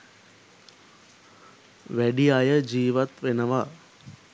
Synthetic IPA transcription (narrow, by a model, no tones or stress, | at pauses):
ʋæɖiajəd͡ʒiːʋat̪ʋenəʋa